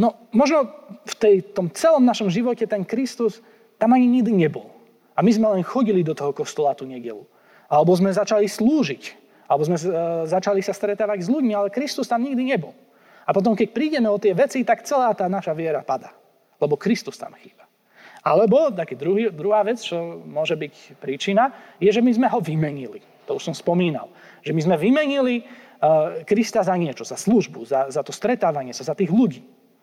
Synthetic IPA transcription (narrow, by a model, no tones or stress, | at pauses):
nɔ | mɔʒnɔft̪ɛjt̪ɔmt͡sɛlɔmnaʃɔmʒiʋɔcɛt̪ɛnkɾist̪us | t̪amaɲiɲiɡd̪iɲɛbɔ̰l | amizmɛlɛnxɔɟilid̪ɔt̪ɔɦɔkɔst̪ɔlat̪uɲɛɟɛ̰lu | alɛbɔzmɛzat͡ʃalisluːʒic | alɛbɔzmɛzat͡ʃalisast̪ɾɛt̪aːʋaɟzʎuɟmialɛkɾist̪ust̪amɲiɡd̪iɲɛbɔl | apɔt̪̬ɔmkɛc̚pɾiːɟɛmɛɔt̪ɪɛʋɛt͡sit̪akt͡sɛlaːt̪aːnaʃaʋɪɛɾapad̪a̰ː | lɛbɔkɾist̪ust̪a̰mxiːbḁ | alɛbɔt̪akiːd̪ɾuɦiːd̪ɾuɦaːʋɛt͡st͡ʃɔmʊɔʒɛbicpɾiːt͡ʃinajɛʒɛmizmɛɦɔʋimɛɲili | t̪ɔuʃsɔmspɔmiːna̰lʒɛmizmɛʋimɛɲili | kɾist̪azaɲɪɛt͡ʃɔzasluʒbuzazat̪ɔst̪ɾɛt̪aːʋaɲɪɛsazat̪iːɣluɟiː